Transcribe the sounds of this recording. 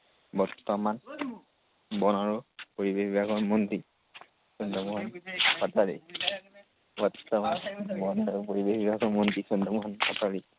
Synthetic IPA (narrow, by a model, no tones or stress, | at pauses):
bɔtːɔman | bɔnaɹupoɹibekbibakɔmɔnti | sɔndɔmuhɔnpataɹi | bɔtːɔmanbɔnaɹupoɹibekbibakɔmɔntisɔndɔmuɦɔnpataɹi